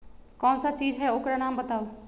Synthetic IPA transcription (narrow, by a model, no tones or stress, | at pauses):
kɔːnsat͡ʃiːzɦɛʊkɾanãːmbət̪aːoː